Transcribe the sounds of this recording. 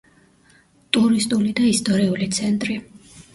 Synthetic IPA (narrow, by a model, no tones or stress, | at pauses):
t̪ʼuɾist̪ʼulid̪aist̪ʼɔɾiulit̪sʰɛnt̪ʼɾi